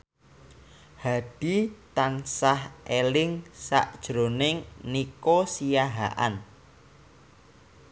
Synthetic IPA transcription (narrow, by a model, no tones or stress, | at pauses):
had̥it̪ansahʔelɪŋsa̰ʔd̥ʒ̥ɾo̤nɪŋnikosijaɦa̰ʔa̰n